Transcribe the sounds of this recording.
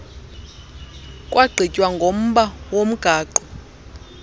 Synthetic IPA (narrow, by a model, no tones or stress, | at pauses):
kʼwʔaɡ͡ǀʱicʼwaŋɡʱom̩ɓawom̩ɡ̥ʱaːǃɔ